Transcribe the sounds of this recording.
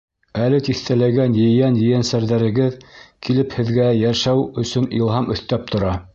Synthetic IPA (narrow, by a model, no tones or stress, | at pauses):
ælɘt̪iθt̪ælæɡænjɘ̆jænjɘ̆jænsæɾðæɾɘ̆ɡɘðkʰilɘphɘ̆ðɡæjæʃæwɵ̆sɵnilˠɦɑmɵ̆θt̪æp̚t̪ʰŏɾɑ